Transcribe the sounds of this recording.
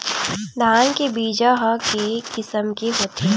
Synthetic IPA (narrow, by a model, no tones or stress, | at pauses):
d̪ʱaːnkebiːd͡ʒaɦkekɪsəmkeɦoːt̪ʰi